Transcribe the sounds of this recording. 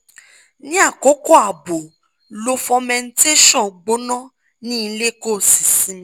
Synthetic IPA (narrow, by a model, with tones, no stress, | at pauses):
nĩ˦a˦˨ko˨˦kɔ˦a˨bo˨ | lo˧fɔ̃˧mɛ̃˧n̩˦te˦ʃɔ̃˦˨ɡ͡bo˨˦nã˦ | nĩ˦˧˦le˦ko˦˨si̥˨sĩ˨˦